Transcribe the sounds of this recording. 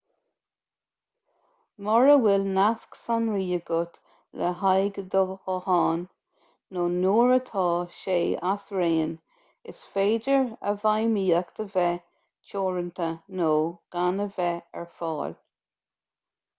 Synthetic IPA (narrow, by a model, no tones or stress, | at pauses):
mɔɹəwɪlnasksanɹiːəɡʊt̪ | lə̰ɦajɡd̪ɔɡɔhɑːnː | oːnuːɹət̪ʰɑːʃeːasɹeːn | ɪ̰sfeːdəɹə̰vajmiːəkt̪ʰəvɛ | t͡ʃʰoːɹənt̪ʰənoːɡ̥anəvɛɛ̰ɹfɑ̰ːl